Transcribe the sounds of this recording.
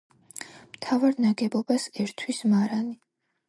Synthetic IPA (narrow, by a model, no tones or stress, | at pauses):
mt̪ʰavaɾnaɡɛbɔbasɛɾt̪ʰwismaɾani